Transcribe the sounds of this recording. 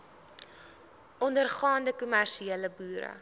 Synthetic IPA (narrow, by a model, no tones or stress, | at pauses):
ʔɔndərχɑːndəkumærʃieːləbuːɾə̰